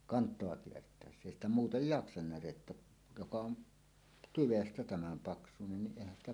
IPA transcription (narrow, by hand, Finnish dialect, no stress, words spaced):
kɑntˑoɑ kiertˑæˑesːæ eˑi stæ muːtej jɑksɑn næretːæ jokɑ on tyʋestæ tæmæm pɑksunen niʔ ʔeˑihæn stæ